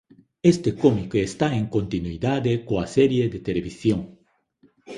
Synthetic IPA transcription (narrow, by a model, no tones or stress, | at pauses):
est̪ekomikoest̪aẽŋkõnt̪inuiðaðekoɐsɛɾjeðet̪eleβisjõŋ